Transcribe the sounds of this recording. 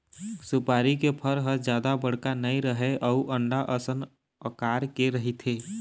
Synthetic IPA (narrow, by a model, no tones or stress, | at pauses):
sʊpaːɾikepʰəɾɦəɾd͡ʒjaːd̪abəɽ̤kanəiɾəɦeʔɔuʔə̃ɳɖaʔəsən | əkaːɾkeɾəɦit̪ʰeː